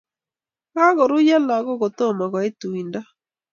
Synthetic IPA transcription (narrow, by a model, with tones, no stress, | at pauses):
ɣa˦ɣo˨ɾu˦ja˦la˨ɣo˦ɣo˨to˦˨ma˨ɣa˨e˦tui˨nda˦